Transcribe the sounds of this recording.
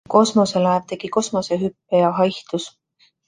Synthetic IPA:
ko̞smo̞se̞lɑevt̪e̞ɡ̥iko̞smo̞seɦypːejɑɦɑjht̪us

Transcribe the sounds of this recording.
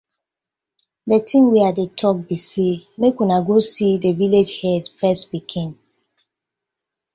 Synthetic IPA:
dɛtʰĩmwiadetʰɔk̚bisemekwinaɡosideviled͡ʒhɛdfɛstbikʰĩn

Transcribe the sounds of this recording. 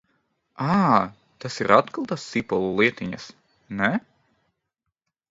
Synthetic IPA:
aː | t̪asiɾʔat̪kɨlˠt̪asːipɔlˠulˠiɛt̪iɲas | nɛ

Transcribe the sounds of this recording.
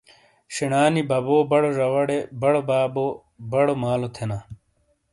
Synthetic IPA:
ɕiɳaːnibʱɐboːbɐɽoɾɐwɐɽebɐɽobaːbo | bɐɽomaːlot̪ʰenaː

